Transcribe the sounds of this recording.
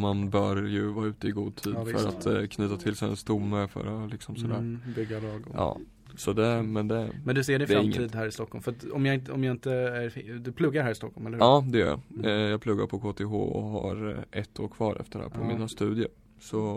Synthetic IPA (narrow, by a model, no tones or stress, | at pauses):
manbœːɾjɵvɑːɾʉ̟ːt̪əɪɡuːd̪̚t̪ʰiːd̪fœ̰ɾat̪kʰnyːt̪at̪ʰɪlsɛɛ̰nst̪ʊmːəfœ̰ɾɔlɪksɔmsɔd̪æːɾbʏɡːalɑːɡɔ̰ʔɑ̰ː | sɔd̪ɛmɛnd̪ɛmɛnd̪ɵseːɖɛnɛɾaɾɪŋːəiːd̪d̪ɦæːɾɪst̪ɔkʰːɔlmfœat̪ɔmjɑɪnt̪əɔmjɑɪnt̪əæɾd̪ɵpʰlɵɡːaɾæːɾɪst̪ɔkʰːɔlmɛlːɾhɑːd̪ɛjœ̰ɾjɑ̰jɑːɡ̚pʰlɵɡːaɾpʰɔkʰoːt̪ʰeɦo̰ːɔ̰ɦa̰ɾʔɛt̪ʰːoːɾkʰvɑːɾɛ̰ft̪əɾæ̰ːɾpʰɔmiːnast̪ʉ̟ːd̪jəɾ | sɔ